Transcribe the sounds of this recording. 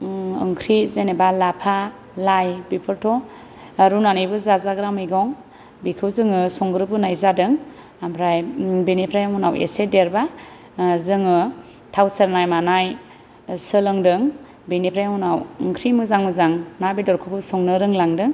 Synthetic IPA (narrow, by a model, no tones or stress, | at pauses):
ɯ̰ŋkʰɾizenebalapʰa | lajbipʰɯɾtʰɔ | aɾunanɯjbɯzazaɡɾamɯjɡɔŋ | bikʰɯwzɯŋɯsɔŋɡɾɯbɯnajzadɯŋ | amʰɾajbinipʰɾajamunawḛsedeɾba | zɯŋɯ | tʰawseɾnajmanaj | sɯlɯŋdɯŋ | binipʰɾajmunawɯŋkʰɾimɯzaŋmɯzaŋnabidɔɾkʰɯbɯsɔŋnɯɾɯŋlaŋdɯŋ